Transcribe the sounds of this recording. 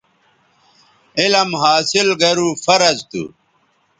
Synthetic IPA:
ilɐmɦaːsilɡɐɾuːfɐɾɐzt̪ṵ

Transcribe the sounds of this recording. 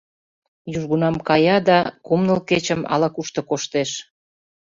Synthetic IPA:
juʒɣunɑmkɑjɑd̪ɑkumnəlket͡ɕəmɑ̰lɑkuʃt̪ŏkoʃt̪eʃ

